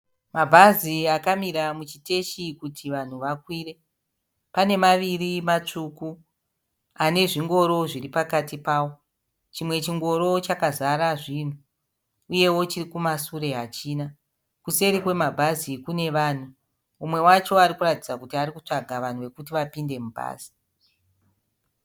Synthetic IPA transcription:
mabʱaziakamiɾamut͡ʃite̞ʃikutʰiʋan̤uʋakwiːre̞ | pane̞maʋirimat͡ʂuku | ane̞ʐiŋɡo̞ɾo̞ʐiripakatipaːwo̞ | t͡ʃimwe̞t͡ʃiŋɡo̞ɾo̞t͡ʃakazaɾaʐin̤u | uje̞wo̞t͡ʃirikumasuɾe̞ɦat͡ʃiːna | kuse̞ɾikwe̞mabʱazikune̞ʋaːn̤u | umwe̞wat͡ʃo̞aɾikuratid͡zakutiaɾikut͡ʂaɡʱaʋan̤uʋe̞kutiʋapinde̞mubʱa̰ːz̥i̥

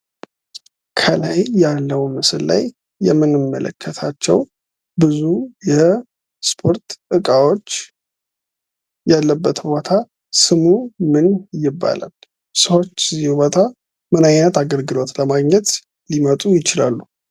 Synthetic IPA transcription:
kʰəlajjalːəwmɨsɨlla̰jː | ɛ̰mːɨnɨmːə̰lə̰kʰːət̪ʰat͡ʃːɛ̰w | bɨzujɛ | spʰo̞ɾt̪ɨkʼawo̞t͡ʃː | jalːəbːət̪bo̞t̪ʰa | sɨmumɨnjɪbːa̰la̰l | səwo̞t͡ʃːzihubo̞t̪ʰa | mɨnajnət̪aɡəlɡɨlo̞t̪ləmaɡɲɛt̪ | limət̪ʼujɪt͡ʃɪlalːu

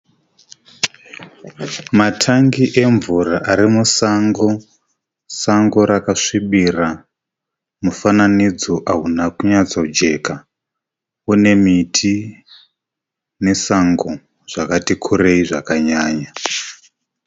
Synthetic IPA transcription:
matʰaŋɡiʔe̞ɱvuraʔaɾimusaŋɡo̞ | saŋɡo̞ɾakaʂiɓira | mufananid͡zo̞ʔaɦunakuɲat͡saud͡ʒe̞ka | une̞mitʰi | ne̞saŋɡo | ʐ̥akatikʰuɾeiʐakaɲaːɲa

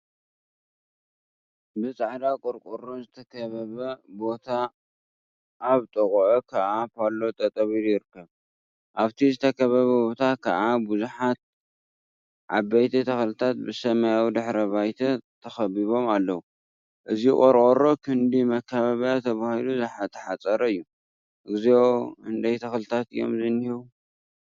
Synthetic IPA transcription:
bɨt͡sʼaʕd̪akʼɔɾkʼoɾozɨt̪ʰɐkʰɐβɐβɐbo̞t̪ʰa | ʔaβt̪ʼɨkʼʕokʰɐʔapalːo̞t̪ʼɐt̪ʼɐβiljɪɾɨkːɐβ | ʔaβt̪ʰizɨt̪ʰɐkʰɐβɐβɐbo̞t̪ʰakʰa̰ʔabuzuħat̪̚ | ʕa̰bɐjt̪ʰɐt̪ʰɐxlɨt̪ʰat̪̚bɨsɐmajawid̪ɨħɾɐβajt̪ʰɐt̪ʰɐxɐbiβo̞malːɐwu | ʔɨzikʼoɾkʼoɾo̞kʰɨnd̪imɐkʰːaβaβjat̪ʰɐβahiluzɨħat̪ʰːɐ̥ħat͡sʼɐɾɐɨjːu | ɨɡɨzeoɨnd̪ajt̪ʰɐxlɨt̪ʰat̪ɨjːo̞̰mzɨnːhiβu

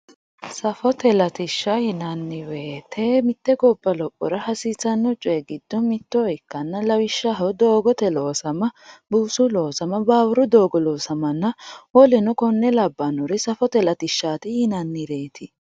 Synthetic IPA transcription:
sɐfɔt̪ɛlɐt̪ɪʃːɐhɪnɐnːɪweːt̪ʰɛmɪt̪ːɛɡɔbːɐlɔpʼːɔ̰ɾɐhɐsɪːsɐnːɔt͡ʃʼɔɛɡɪd̪̥ːɔmɪt̪ːɔɔjɪkːɐnːɐlɐwɪʃːɐɦɐwd̪o̞ːɡɔt̪ɛlo̞ːsɐmɐbuːsʊloːsɐmɐbaːwʊɾʊd̪oːɡɔloːsɐmɐnːɐwɔlɛnɔkɔnːɛlɐbːɐnɔɾɪsɐfɔt̪ɛlɐt̪ɪʃːaːt̪ɪhɪnɐnːɪɾeːt̪ʰɪ

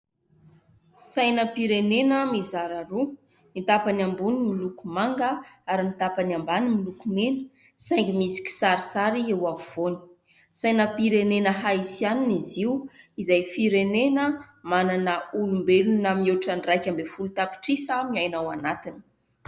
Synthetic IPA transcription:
sajnəpiɾenenəmizaɾaɾu | mit̪apanambunimilukumaŋɡəaɾimit̪apanambanimilukumenə̥ | sajŋɡimisi̥kʲi̥saɾisaɾiewaviv̥oni̥ | sajnəpiɾenenəɦaisianiniziwizajfiɾenenəmananəulumbelunamieʈ͡ʂanrajkʲambefulut̪api̥ʈ͡ʂisəmiajnawanat̪ini̥

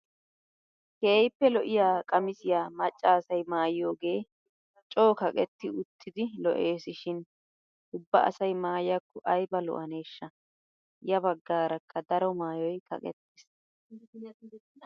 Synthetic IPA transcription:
keːjpːɛlɔʔɪjaːkʼɐmɪsɪjaːmɐt͡ʃʼːaːsɐjmaːjo̞ːɡe̞ː | t͡ʃʼo̞ːkɐkʼɛt̪ːɪʊt̪ʰːɪd̪ɪlɔ̰ʔe̞ːsɪʃɪn | ʔʊbːɐ̰ʔɐ̰sɐjmaːjjɐkːʊʔɐjbɐlɔ̰ʔɐne̞ːʃːɐ | jɐbɐɡːaːɾɐkːɐd̪ɐɾɔmaːjɔjkɐ̰kʼɛ̰t̪ːɪs

